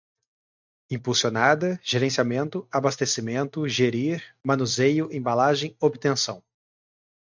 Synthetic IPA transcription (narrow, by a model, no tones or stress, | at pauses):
ĩpulsionad̪ɐʒ̥eɾẽsiamẽnt̪ʊabast̪esimẽnt̪ʊʒeɾiɾmɐ̃nuzejʊʔẽbalaʒẽj̃obɪt̪ẽsɐ̃w̃